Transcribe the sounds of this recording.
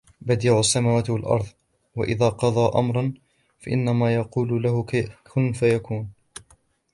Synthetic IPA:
bad̪jaːʊʔasːamaːwaːt̪ɪwalʔɑ̰ɾˤðˤ | wa̰ʔɪðaːqɑðˤɑːʔa̰mɾˤɑn | faʔɪ̰nːamaːjɑquːlʊlahʊkakʰʊnfajakuːn

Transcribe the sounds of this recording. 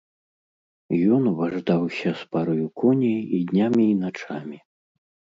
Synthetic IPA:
jɔnvaʐd̪awsʲɐspaɾɔjukʰɔnʲɐjid̪ʲnʲamʲiːnat͡ʂamʲi

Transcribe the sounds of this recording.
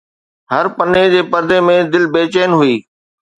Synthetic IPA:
ɦɐɾpɐned͡ʑeːpɐɾd̪emẽd̪ɪlbeːt͡ɕeːnɦʊiː

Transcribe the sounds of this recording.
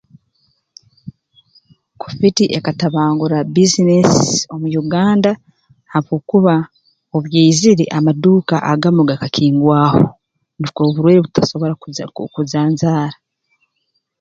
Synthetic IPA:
ku̥fitiʔekataβaːŋɡuɾabizineso̞mujuɡaːnda | haβokuβa | oβjeiziɾeʔamaduːka̰ʔaɡamuɡakakʰiːŋɡwaːho̰ | nikoβuɾweːɾeβutaso̞βo̞ɾakuzaːnzaːɾa

